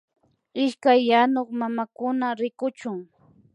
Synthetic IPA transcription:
ɪʃkajːanoχmamakʊnaɾɪkʊt͡ʃʊŋ

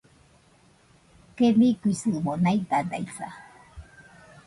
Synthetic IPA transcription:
kemikujsɨmonajt̪and̪a̰jsa̰

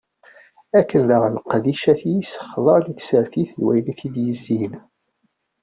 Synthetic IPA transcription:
ækːənðəʁlqðiʃæθijisə̥χðˤɑɾˤliθsəɾθiθlwæ̰jniθid̪jəzːin

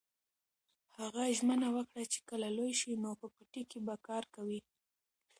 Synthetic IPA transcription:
haɣaʒmənawəkɽat͡ʃe̥kəlalojʃinopəpəʈikebakɑɾkawi

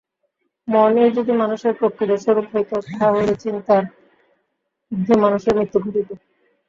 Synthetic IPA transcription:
mɔned͡ʑod̪imanuʃeɾpɾokɾit̪aʃoɾukɦojt̪ot̪ʰaɦojlet͡ɕint̪aɾ | ud̪ʱːemanuʃeɾmit̪ːoɡʱoʈit̪o

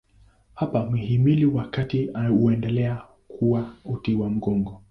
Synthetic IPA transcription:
hapamwihimiliwakatiauɛndɛlɛa | kʰuwautiwam̩ɡɔŋɡɔ

